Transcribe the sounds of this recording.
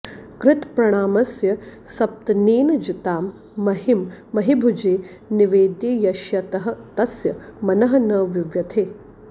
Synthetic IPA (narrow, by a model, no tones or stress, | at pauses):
kɾɪt̪pɾɐɽ̃aːmɐsjɐsɐp̚t̪ɐneːnd͡ʒit̪aːmː | ɐɦimːɐɦibʱud͡ʒeː | niʋeːd̪iːjɐʃjɐt̪ɐɦɐ̆t̪ɐsjɐmɐnɐɦɐnɐːʋiʋjɐt̪ʰeː